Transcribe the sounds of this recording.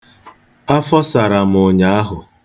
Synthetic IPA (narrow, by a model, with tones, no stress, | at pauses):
a˦fɔ˦sa˨ɾa˨m̩ʊ˨ɲa˨˦a˦ɦʊ˨